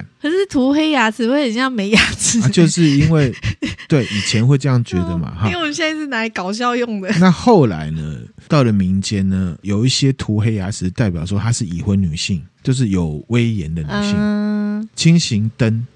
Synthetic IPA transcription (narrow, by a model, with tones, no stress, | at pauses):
kʰə˧˥ʂɻ̩˥˩t̪ʰu˧˥xe˥ɪja˧˥t͡sʰɹ̩˧˥wɔ˧˥ə˨˩nɕjɑ˥˩ŋme˧˥ɪja˧˥t͡s̩ʰ˧t͡ɕjo˥˧ʊʂɻ̩˥˨i˦˥nwe˥˩ɪt̪we˥˩ɪʔi˨˩t͡ɕʰjɛ˧˦nxwe˥˧ɪʈ͡ʂɤ˥˧jɑ˥˩ŋt͡ɕɥɛ˧˦d̪ə˨˧˨ma̰˨hɔ˨˦ɕjɛ˥˧na˥˧ʂɻ̩˥˩na˧˥i˧˩kɑ˨˩ʊɕ̬jɑ˥˧ʊjo˥˨˩ŋd̪ə˨na˥˧xo˥˨˩ʊla̰˧˦ɪnə̰˦˧t̪ɑ˥˨˩ʊlə˩mi˧˦˥nt͡ɕjɛ˦nnə˧jo˨˩ʊi˥˩ɕjɛ˦t̪ʰu˨˧˥xe˥ɪja˧˥t͡sʰɻ̩˧t̪a˥˩ɪp̬ʲjɑ˨˩ʊʂwɔ˦t̪ʰa˥ʂɻ̩˥˩i˨˩xwə˨˦nny˨˩ɕi˥˩ŋt͡ɕjo˥˧ʊʂ̬ɻ̩˥˩jo˨˩ʊwe˦ɪjɛ˨˦nd̪ə˨ny˨˩ɕi˥˨ | t͡ɕʰi˥ŋɕi˧˦ŋt̪ə˦˥n